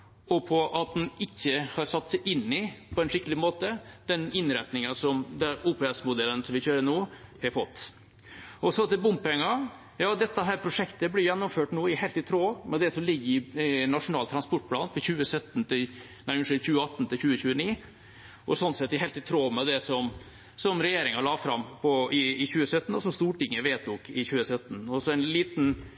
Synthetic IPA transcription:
ɔpʰɔʔɑt̪̚d̪ɛnɪçːəhɑɾsɑt̪ːsɛɪʔɪnːɪpʰɔɛnʂɪk̪əlɪmoːt̪əd̪̥ɛnɪnɾɛt̪nɪŋɑsɔmd̪ɛuːpʰeːɛsmʊd̪ɛlːənsɔmʋɪçøːɾəɳuːhɑɾfɔt̪ː | ʔɔsɔt̪ɪbʊmpɛŋːɑ | jɑːd̪ɛt̪ːəɦæːɾpʰɾʊʂɛkt̪əblɪɾjɛnːɔmføːʈnuːɪhɛɪlt̪ɪt̪ʰɾoːmɛd̪ɛsɔmlɪɡːəɾɪnːɑʂʊnɑːlt̪ʰɾɑnspɔʈ̚pʰlɑːnfɔɕʉːəsœt̪ːnt̪ɪl | næɪʂʉçʉːəɑt̪ːn̩t̪ʰɪlçʉːəçʉːəniː | ʔɔsɔnt̪sɛt̪ːɪɦɛɪlt̪ɪt̪ʰɾoːmɛd̪ɛsɔm | sɔmɾɛjeːɾɪŋɑlɑːfɾɑmpʰɔɪɪçʉːəsœt̪ːn̩ɔsɔmst̪uːʈɪŋːəʋeːt̪nɔkːɪçʉːəsœt̪ːn̩ɔsɔænliːt̪n̩

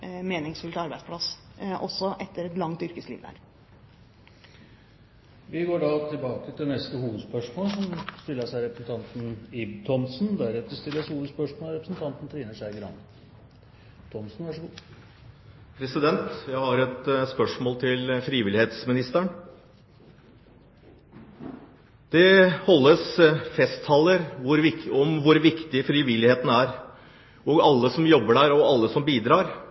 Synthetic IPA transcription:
meːnɪŋsfʉlt̪ɑɾbæɪd̪spʰlɑsʔɔ̰sːɔʔɛt̪ːəɾɛt̪lɑŋt̪ʏɾkəslḭːʋd̪æ̰ɾ | ʋɪɡoːɖɑt̪ʰɪlbɑːkət̪ʰɪd̪ɛnɛst̪əhuːʋəd̪spœʂmoːlsɔmst̪ɪlːəʂæɪɾɛpɾəsn̩t̪ʰɑnt̪n̩ibt̪ʰɔmsnd̪æɾɛt̪əst̪ɪlːəʂhuːʋəd̪spœʂmoːlɾɛpɾəsn̩t̪ʰɑnt̪n̩t̪ʰɾiːnəʂæɪɡəɾɑ̰nə | t̪ʰɔmsn̩ʋæʂəɡuː | pʰɾɛsɪd̪ɛnt̪jæɪhɑɾɛt̪spœʂmoːlt̪ʰɪlfɾiːʋɪlɪheːt̪smɪnɪst̪əɳ | d̪̥ɛhɔlːəsfɛst̪ʰːɑlːəɾʋʊɾʋɪɔmʋʊɾʋɪkt̪ɪfɾiːʋɪlːɪheːt̪n̩æɾ | ʔɔɡɑlːəsɔmjɔbːəɖæːɾɔɑlːəsɔmbiːd̪ɾɑːɾ

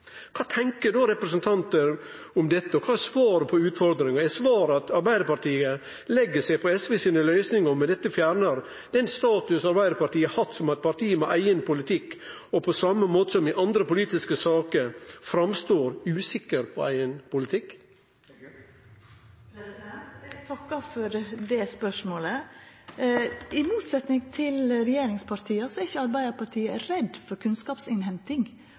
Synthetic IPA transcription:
kʰɑːt̪ʰɛŋkəɖoɾɛpɾəsənt̪ʰɑnt̪əɾ | ʊmd̪ɛt̪ːəɔkʰɑːsʋɑːɾəpʰɔʉːt̪fɔɾd̪ɾɪŋɑæsʋɑːɾɑt̪ɑɾbæɪd̪əɾpɑʈiːə | lɛɡːəsæɪpʰɔɛsʋeːsiːnəlœʏsnɪŋəɾmɛd̪ɛt̪ːəfjæːɾɳəɾ | d̪̥ɛnst̪ɑːt̪ʉsɑɾbæɪd̪əɾpɑɾʈiːəhɑt̪sɔmɑt̪̚pʰɑɾʈ̪ʰiːəmɛʔæɪənpʰʊlɪt̪ʰɪkː | ɔpʰɔsɑməmoːt̪əsɔmɪʔɑnd̪ɾəpʊliːt̪ɪskəsɑːkəɾfɾɑmst̪oːɾʉːsɪkːəɾpʰɔæɪənpʊlɪt̪ʰɪkː | ɡt̪ʰɑkːɑfɔɾd̪ɛspœʂmoːlə | ɪmuːt̪sɛt̪nɪŋt̪ʰɪlɾɛjeːɾɪŋspʰɑɾt̪ʰiːɑsɔæɾɪçəɑɾbæɪd̪əɾpʰɑʈʰiːəæɾɛd̪fɔɾkʰʉnskɑːpsɪnɦɛnt̪ɪŋ

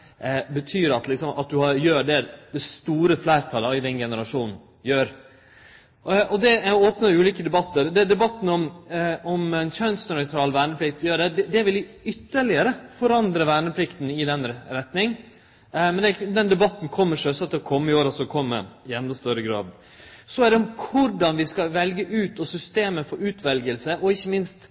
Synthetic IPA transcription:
bət̪ʰyːɾɑt̪lɪksɔmɑ̰t̪̚d̪ʉhɑɾjøːɖɛd̪̥ɛst̪uːɾəflæɪɾt̪ʰɑlɪd̪ɛnɡɛnəɾɑʂuːnn̩ | jøːɾ | ɔd̪ɛæoːpnɑʉːliːkəd̪ɛbɑt̪ːəɾd̪ɛd̪ɛbɑt̪ːn̩ɔmɔmɛnt͡ʃɑnsnœʏt̪ʰɾɑːlʋæːɳəpʰlɪk̚t̪jøːɖɛd̪ɛd̪ɛʋɪlʋɪʏt̪ːəɭɪəɾəfɔɾɑnd̪ɾəʋæːɳəpʰlɪkt̪n̩ɪd̪ɛnɾɛt̪nɪŋ | mɛnd̪ɛd̪ɛnd̪ɛbɑt̪ːn̩kʰɔmːəʂœsɑt̪ːəɔkʰɔmːəɪoːɾɑsɔkʰɔmːə̰ɪɛnd̪ɑst̪œɾəɡɾɑ̰ːd̪ | sɔæɖɛɔmkʰʊɖɑnʋɪskɑʋɛlɡəʔʉːt̪ɔsʏst̪eːməfɔɾʉːt̪ʋɛlɡəlsəʔɔɪçːəmɪnst̪

